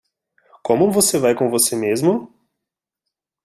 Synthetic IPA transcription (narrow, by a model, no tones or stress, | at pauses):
kõmʊvosevajkõvosemezmʊ